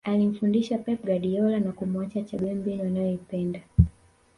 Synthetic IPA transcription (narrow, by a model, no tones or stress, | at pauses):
alim̩fundiʃapɛp̚ɡaɗiɔlanakumuat͡ʃat͡ʃaɡɛmbɛliwanajɔipɛnda